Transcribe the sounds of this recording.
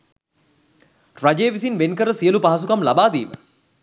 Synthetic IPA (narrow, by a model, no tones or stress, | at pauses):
rad͡ʒeːʋisinʋenkəɾəsijəlupaɦasukamlabaːd̪iːmə